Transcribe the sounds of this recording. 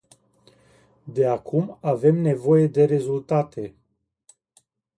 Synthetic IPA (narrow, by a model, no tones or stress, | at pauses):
d̪e̞akumave̞mne̞vo̞je̞d̪e̞ɾe̞zult̪at̪e̞